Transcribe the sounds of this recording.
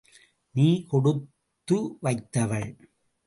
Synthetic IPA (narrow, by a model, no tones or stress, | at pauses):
niːkɔɽɯtt̪ː | ɯʋɐɪt̪ːɐʋɐɭ